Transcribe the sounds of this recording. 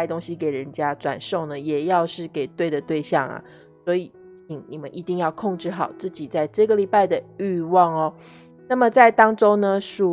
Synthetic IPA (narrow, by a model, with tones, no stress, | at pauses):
ɪt̪o˥ŋɕi˦ke˨˩ɪɻə˧˦nt͡ɕja˥ʈ͡ʂwa̰˨˩nʂo˥˩ʊnə˩jɛ˨˩jɑ˥˧ʊʂɻ̩˥˩ke˨˩ɪt̪we˥˩ɪd̪ə˩t̪we˥˧ɪɕjɑ˥˨ŋɐ̰˨˩ | swɔ˧˥i˨˩˦ | t͡ɕʰi˧˥ŋni˨˩mə˦nʔi˧˥t̪i˥˧ŋjɑ˥˧ʊkʰo˥˧ŋʈ͡ʂɻ̩˥˩xɑ˨˩˦ʊt͡sɹ̩˥˩t͡ɕi˨˩t͡sa˥˧ɪʈ͡ʂɤ˥˧ɡə˨li˨˩pa˥˩ɪd̪ə˩y˥˧wɑ˥˩ŋɔ˩ | na˥˩mə˨t͡sa˥˩ɪt̪ɑ˥ŋʈ͡ʂo˥ŋnə˧ʂu˨˩